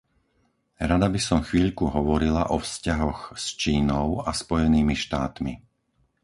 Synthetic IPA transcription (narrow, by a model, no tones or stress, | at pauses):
ɾad̪abisɔmxʋiːʎkuɦɔʋɔɾila̰ʔɔfscaɦɔɣst͡ʃiːnɔʊaspɔjɛniːmiʃt̪aːt̪mḭ